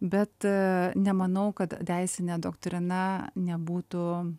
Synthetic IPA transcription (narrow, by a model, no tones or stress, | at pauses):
bʲɛt̪nʲɛmɐnɐʊkɐt̪dʲæɪsʲɪnʲeːd̪oːkt̪ʲɾʲɪnɐnʲɛbuːt̪ʊ